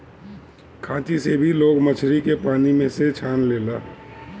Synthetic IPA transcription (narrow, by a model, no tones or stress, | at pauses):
kʰãːt͡ʃisebʱiloːɡmət͡ʃʰɾikepaːnimẽset͡ʃʰaːnleːlaː